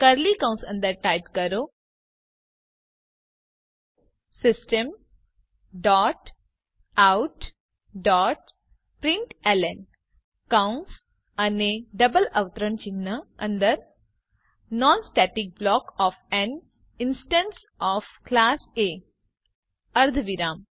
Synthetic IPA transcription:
kəɾlikãw̃nsə̃nd̪əɾʈajpkəɾo | sɪsʈəm | ɖɔːʈ | awʈ | ɖɔːʈ | pɾĩɳʈelen | kawns | aneɖəbələʋt̪ɾəɳt͡ɕinːəə̃nd̪əɾ | nɔnsʈɛʈik̚blɔːkɔfɛn | insʈə̃ns | ɔːfklaːse | əɾd̪ʱʋiɾaːm

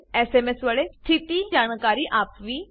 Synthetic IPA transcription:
ɛːsemesʋaːɭest̪ʰit̪id͡ʒaːɳ̃kaːɾiʔaːpʋiː

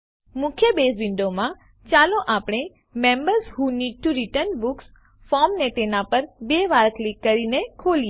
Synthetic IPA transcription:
mʊkʰjəbesʋɪɳɖomã | t͡ʃalõʔapɽ̃e | mẽmbəɾzhɦuniɖ̚ʈuɾiʈəɾnbuks | fɔɾmnet̪enapəɾbeʋaɾəklikːəɾinekʰoli

